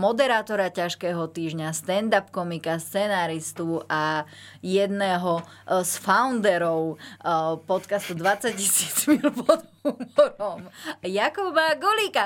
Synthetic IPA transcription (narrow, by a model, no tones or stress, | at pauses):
mɔd̪ɛɾaːt̪ɔɾacaʃkɛːɦɔt̪iːʒɲast̪ɛnd̪apkɔmikast͡sɛnaːɾist̪uʔa | jɛd̪nɛːɦɔ | sfaʊnd̪ɛɾɔʊ | pɔt̪kast̪ud̪ʋat͡sːaccisiːd͡zmilpɔd̪umɔɾɔmjakɔbaɡɔliːka